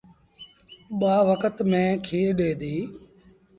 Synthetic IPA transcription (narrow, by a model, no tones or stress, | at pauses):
ɓaːʋəkət̪mẽːkʰiːɾɗeːd̪iː